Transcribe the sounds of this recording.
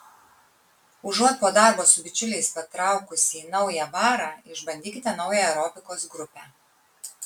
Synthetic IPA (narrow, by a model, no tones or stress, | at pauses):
ʊʒuɔt̪̚poːd̪ɑˑɾboːsʊbʲɪt͡ʃʲʊlʲɛɪspɐt̪ɾɑˑʊkʊsʲiːnɒʊjɛʋɑːɾɑːɪʒbɐnʲd̪ʲiːkʲɪt̪ʲɛnɒʊjɛɾɔːpʲɪkoːsɡɾʊpʲɛ